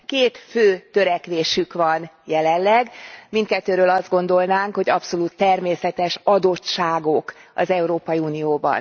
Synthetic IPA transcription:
keːt̪føːt̪øɾɛkʋeːʃykʋɒnjɛlɛnlɛɡmint̪̚kɛt̪ːøːɾøːlɒzd̪̚ɡo̞n̪d̪o̞lnaːŋkho̞ɟɒpso̞luːt̪ːɛrmeːsɛt̪ɛʃɒd̪o̞tt͡ʃaːɡo̞kɒ̰zɛuɾoːpɒjiuːnijoːbɒ̰n

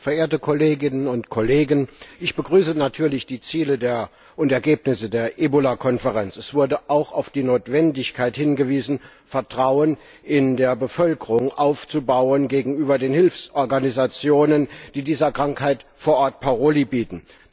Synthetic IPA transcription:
fɛɐʔeːɐtəkʰɔleːɡɪnənʊntkʰɔleːɡənʔɪçb̥əɡʁyːsənatʰyːɐlɪçd̥iːt͡siːlədeːɐ | ʔʊntɛɐɡeːpnɪsədeːɐʔeːbolakʰɔnfəʁɛnt͡sɛsv̥ʊɐdəʔaʊxaʊfd̥iːnoːtv̥ɛndɪçkʰaɪthɪnɡəviːzn̩ | fɛɐtʁ̥aʊən | ʔɪndeːɐbəfœlkəʁʊŋʔaʊft͡subaʊənɡeːɡŋ̩yːbɐdeːnhɪlfsʔɔɐɡanizat͡sjoːnənd̥iːdiːzɐkʁ̥aŋkhaɪtfoːɐʔɔɐtpʰaʁoːlibiːtn̩

